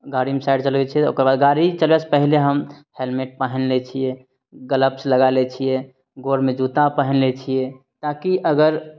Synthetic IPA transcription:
ɡaɽimesaɪɖt͡ʃəlɡɛt͡ʃʰiɛo̰ːkəɾbad̪ɡaɾit͡ʃəlbɛt͡ʃʰpəɦileɦəmhelmeʈ̚pəɦənlet͡ʃʰije | ɡələpsləɡalet͡ʃʰije | ɡoɾmed͡ʒut̪apəɦənlet͡ʃʰije | t̪akiʔəɡəɾ

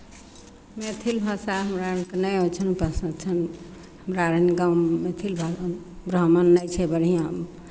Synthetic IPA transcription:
met̪ʰilbʱasaɦəmɾankenəjõt͡ʃʰənupəsə̃d̪̚t͡ʃʰən | həmɾaɾenɡãwmet̪ʰilbʱabɾəɦmənːəjt͡ʃʰɛbəɾɦijã

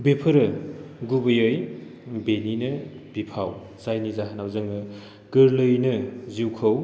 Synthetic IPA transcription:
bepʰɯɾɯɡubɯjɯjbeninɐbipʰaw | sajnizaɦanawzɯŋɯ | ɡɯɾlɯjnɯziwkʰɐw

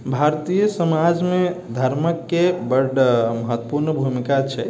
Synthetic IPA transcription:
bʱaɾt̪ijəsəmad͡ʒmed̪ʱəɾməkːebəɖməɦət̪wəpuɾnəbʱumikat͡ʃʰɛ

